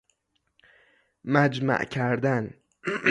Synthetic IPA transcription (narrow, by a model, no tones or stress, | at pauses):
mæd͡ʒmæ̰ʔcʰæɾd̪æn